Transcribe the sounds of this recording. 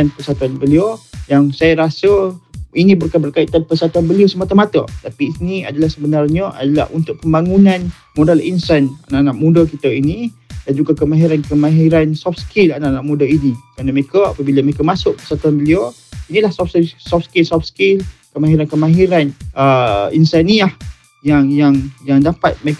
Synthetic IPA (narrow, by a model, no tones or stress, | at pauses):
anpərsat̪uanbəliojaŋsajaɾasəinĩbərkanbərkait̪anpəsat̪uanbəliasəmat̪əmat̪ə̰t̪apinia̰dalahsəbənarɲəʔa̰dala̰hunt̪ʊʔ̚pəmbaŋunãn | mudalinsana̰naʔanaʔmudakit̪əinidand͡ʒuɡakəmãɦiɾankəmãɦiɾansɔfskilanaʔanaʔmudainikɾanəmeekəa̰pabiləməekamasʊk̚pərsat̪uanbəlia | inilahsɔfsɔfskilsɔfskɪlkəmaɦiɾankəmaɦiɾanʔəinsaniah | jaŋjaŋjaŋdapat̪̚me